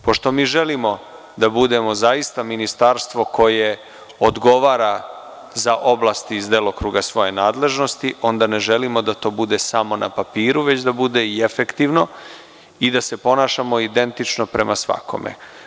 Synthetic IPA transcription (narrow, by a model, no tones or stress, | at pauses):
po̞ʃt̪o̞miːʒelimo̞ | d̪abud̪e̞mo̞zaist̪aminist̪aɾst̪ʋo̞kʰo̞je̞ | od̪ɡo̞ʋaːɾa | zaʔo̞blˠaːst̪iːzd̪eːlˠo̞kɾuɡasʋo̞je̞naːd̪le̞ʒno̞st̪iʔo̞nd̪ane̞ʒe̞limo̞d̪at̪o̞ːbud̪e̞samo̞na̰papiːɾuʋe̞t͡ɕd̪abud̪eiefe̞kt̪iʋno̞ | id̪ase̞po̞naːʃamo̞id̪e̞nt̪it͡ʃnopɾe̞mʔasʋa̰kʰo̞̰mḛ